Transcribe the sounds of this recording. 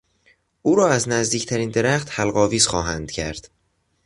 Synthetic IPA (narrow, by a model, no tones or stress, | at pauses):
ʔuːɾɒːæznæzd̪iːcʰt̪ʰæɾiːnd̪e̞ɾæxt̪hælɢɒːviːzxɒːɦænd̪̥cʰæɾd̪̥